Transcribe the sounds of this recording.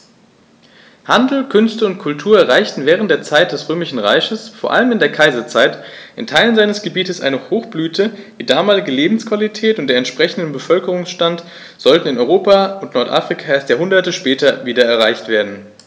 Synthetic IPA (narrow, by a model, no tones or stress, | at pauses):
handl̩kʰʏnstəʊntkʰʊltʰuːɐɛɐʁ̞aɪçtn̩vɛːʁ̞əntd̥eːɐt͡saɪt̚d̥ɛsʁøːmɪʃn̩ʁa̰ɪçəsfoːɐʔa̰ləmɪndeːɐkʰaɪzɐt͡saɪtʔɪntʰaɪlənzaɪnəsɡ̥əbiːtəsʔa̰ɪnəhoːxb̥lyːtʰəd̥iːdaːmaːlɪɡəleːbm̩skv̥alitʰɛːtʊnt̚d̥eːɐɛntʃpʁ̥ɛçn̩dəbəfœlkəʁ̞ʊŋsʃtant | z̥ɔltn̩ɪnʔɔʏʁoːpaʊntnɔɐtʔa̰fʁ̥ikʰaeːɐstjaːɦʊndɐtəʃpɛːtɐviːdɐɛɐʁ̞aɪçtv̥eːɐdn̩